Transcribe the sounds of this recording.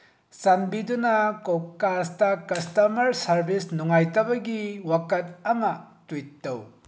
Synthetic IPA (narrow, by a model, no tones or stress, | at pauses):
sanbidunɐkokastɐkɐstɐmɐɾsɐɾbisnuŋajtɐbɐɡiwakɐt̚aŋɐtujtːw